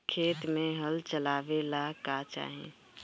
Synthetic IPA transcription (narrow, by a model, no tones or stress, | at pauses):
kʰeːt̪mẽɦəlt͡ʃəlaːʋelakaːt͡ʃa̰ːɦḛ̃